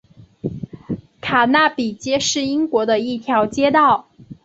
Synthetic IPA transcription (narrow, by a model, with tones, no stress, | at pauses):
kʰa˨˩na˥˩pi˨˩t͡ɕjɛ˥ʂɻ̩˥˩i˥ŋkwɔ˧˥d̪ə˧i˥˩t̪ʰjɑ˧˥ʊt͡ɕjɛ˥t̪ɑ˥˩ʊ